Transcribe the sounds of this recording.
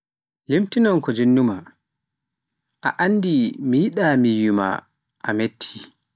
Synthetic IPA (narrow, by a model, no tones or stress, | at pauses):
limtinɔnkɔd͡ʒenːuma | ʔa̰ʔanːdimijiɗamijuma̰ | ʔametʰːi̥